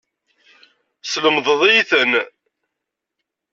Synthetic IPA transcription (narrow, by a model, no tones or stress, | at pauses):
sləmðˤəðˤijθən